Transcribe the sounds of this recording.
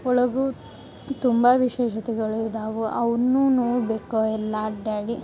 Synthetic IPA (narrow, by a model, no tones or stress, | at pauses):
ɔɭɐɡu | t̪umbɐʋiʃɛːʃɐt̪ɛɡɐɭud̪aːʋuʔɐʋɐnːuːnoːɽbeːkoɛlːɐɖaːɽi